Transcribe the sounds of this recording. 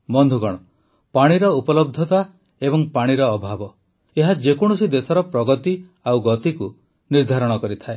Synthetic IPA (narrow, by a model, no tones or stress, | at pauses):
mɔnd̪ʱuɡɔɽ̃ɔ | paɽ̃iɾɔupɔlɔb̚d̪ʱɔt̪a | ebɔŋpaɽ̃iɾɔːbʱabɔ | eɦad͡ʒekɔɽ̃usid̪esɔɾɔpɾɔɡɔt̪i | awɡɔt̪iku | niɾd̪ʱaɾɔɽ̃ɔkɔɾit̪ʰae